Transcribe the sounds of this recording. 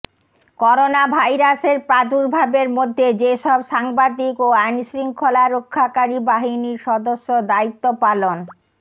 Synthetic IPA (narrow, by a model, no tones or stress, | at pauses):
kɔɾonabʱajɾaseɾpɾad̪uɾbʱabeɾmod̪ʱːed͡ʑeʃɔbʃaŋbad̪ikoajnʃɾiŋkʰolaɾokʰːakaɾibaɦiniɾʃɔd̪oʃːod̪ait̪ːopalon